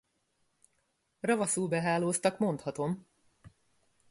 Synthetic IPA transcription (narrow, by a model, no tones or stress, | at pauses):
rɒvɒsuːbɛɦaːloːst̪ɒkmo̞nt̪hɒt̪o̞m